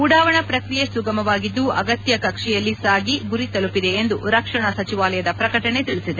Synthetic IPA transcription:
uɽaːʋɐɳɐpɾɐkɾijesuɡɐmɐʋaːɡid̪ːuɐɡɐt̪jɐkɐkʂɛjɐlːisaːɡiɡuɾit̪ɐlupːid̪e̞ːnd̪uɾɐkʂɐɳɐsɐt͡ʃiʋaːlɐjɐd̪ɐpɾɐkɐʈɐɳe̞t̪iɭisid̪e

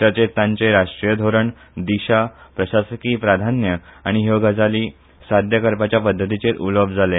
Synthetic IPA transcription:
ət͡ɕet̪t̪ãɲt͡seɾaʂʈɾijəd̪ʱoɾəɳ | d̪iɕapɾəɕasəkiːpɾad̪ʱanjəaɽ̃iɦoɡad͡zaliː | sad̪ʱjəkəɾpat͡ɕjapəd̪ʱːət̪it͡set̪uləbʱd͡zʱale

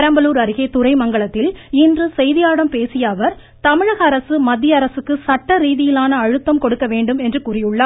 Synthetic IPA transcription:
ɐɾɐmbɐluːɾɐɾɪɣeːt̪ʊɾɐɪmɐŋɡɐɭɐt̪ːɪlɪndrɯsɛjðɪjaːɽɐmpeːsɪjɐːʋɐɾ | t̪ɐmɪɻɐɣɐːɾɐsɯmɐd̪ːɪjɐɐɾɐsɯkːɯsɐʈːɐɾiːðɪjɪlaːnɐːɻɯt̪ːɐmkɔɽɯkːɐʋeːɳɖɯmɛndrɯkuːrɪjɯɭːɐ

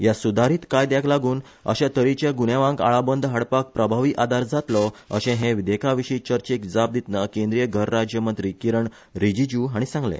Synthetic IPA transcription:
jasud̪ʱaɾiːt̪kajd̪jakʰlaɡuːn | ə̰ɕãt̪əɾit͡ɕeɡunjeʋãŋɡa̰ɭabənd̪ʱɦaɽpak̚pɾəbʱaʋiːʔad̪aɾd͡zat̪lɔə̰ɕɛ̃ɦẽʋid̪ekʰaʋiɕit͡ɕəɾt͡ɕekd͡zap̚d̪it̪nəkẽnd̪ɾijəɡʱəɾːad͡ʑjəmənt̪ɾiːkiɾəɳ | ɾid͡ʑid͡ʑuːɦaɽ̃isãŋɡlḛ̃

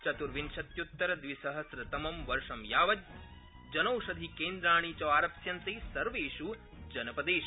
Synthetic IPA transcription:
t͡ʃɐt̪uɾʋinʃɐt̪jut̪ːɐɾɐd̪ʋisɐɦɐsɾɐt̪ɐmɐmʋɐɾʂɐmjaːʋɐd̪̚ʲ | d͡ʒɐnɐwʃɐd̪ʱikeːnd̪ɾaːɳ̃iːt͡ʃɐʋaːɾɐpsjɐnt̪eːsɐɾʋeːʃu | d͡ʒɐnɐpɐd̪eːʃi

